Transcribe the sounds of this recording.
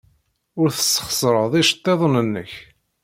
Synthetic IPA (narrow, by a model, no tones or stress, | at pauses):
ʊɾθə̥sːə̥χsɾˤəðˤiʃə̥t̪ˤːeðˤnənːəç